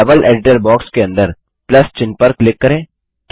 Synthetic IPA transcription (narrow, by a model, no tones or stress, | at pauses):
ɐbəlʔḛːɖɪʈəɾbɔːkskeɐ̃nd̪əɾ | plɐst͡ʃɪ̃npəɾklɪkːɐɾẽː | k